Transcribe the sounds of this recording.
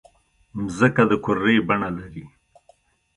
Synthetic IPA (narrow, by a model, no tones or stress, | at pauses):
mzəkad̪əkʊɾːebaɳalaɾi